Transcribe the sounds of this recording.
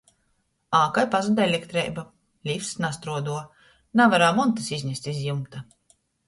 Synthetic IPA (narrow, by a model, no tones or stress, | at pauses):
aːkajpazad̪ɛlʲekt̪ɾɛjba | lʲifsnast̪ɾuɔd̪uɔ | navaɾaːmɔnt̪ɨsizʲɲʲɛst̪izjumt̪a